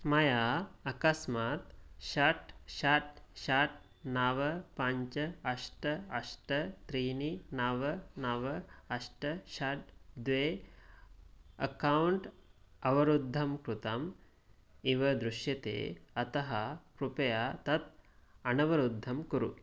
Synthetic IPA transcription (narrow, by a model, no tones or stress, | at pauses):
mɐjaːɐkɐsmaːt̪ʃɐʈʃaʈ̚ʃaːʈ̚ | naːʋɐpɐɲt͡ʃɐɐʂʈɐɐʂʈɐt̪ɾiːninaːʋɐnaːʋɐɐʂʈɐʃaʈ̚d̪ʋeː | ɐ̰kɐwɳʈɐʋɐɾud̪ʱːɐmkɾut̪ɐm | iʋɐd̪ɾuʃjɐt̪ḛːɐt̪ɐɦɐkɾupɐjaːt̪ɐt̪̚ɐnɐʋɐɾud̪ʱːɐmkuɾṵ